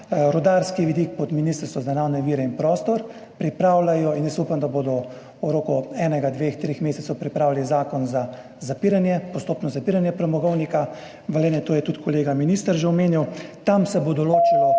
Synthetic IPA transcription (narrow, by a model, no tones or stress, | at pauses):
ɾɔd̪aɾskiʋid̪ik̚pɔt̪minist̪əɾst̪ɔzanawnɛʋiːɾɛinpɾɔːst̪ɔɾ | pɾipɾaːwlajɔinjəsupamd̪aboːd̪ɔ | uɾoːkɔɛːnɛɡad̪ʋext̪ɾexmeːsɛt̪sɔwpɾipɾaːwlilizaːkɔnza | zapiɾanjɛpɔst̪oːpnɔzapiːɾanjɛpɾɛmɔɡɔwnika | ʋəleːnɛt̪oːjɛt̪ut̪kʰɔleːɡaminist̪əɾʒɛɔmeːniwt̪amsɛbod̪ɔloːt͡ʃilɔ